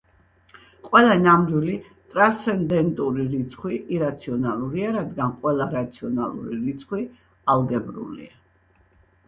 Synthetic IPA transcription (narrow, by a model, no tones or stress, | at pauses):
qʼwɛlˠanamd̪ili | t̪ʼɾanst̪sɛnd̪ɛnt̪ʼuɾiɾit̪sʰχwiʔiɾat̪sʰiɔnalˠuɾiaɾad̪ɡanqʼwɛlˠaɾat̪sʰiɔnalˠṵɾiɾit̪sʰχwi | alˠɡɛbɾṵlḭa